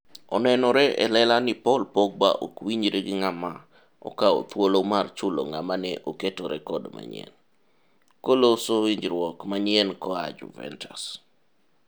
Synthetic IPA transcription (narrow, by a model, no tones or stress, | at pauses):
ɔnɛnɔɾɛʔɛ̰lɛlanɪpɔlpoɡ̚baʔokwiɲd͡ʒɾeɡɪŋama | ɔ̰kao̰t̪wolomart͡ʃʊlo̰ŋa̰manɛʔoketoɾɛ̰kɔdma̰ɲɪ̰ɛ̰n | kolosowiɲd͡ʒɾwɔkmaɲɛnkɔad͡ʒṵvɛ̰ntʰas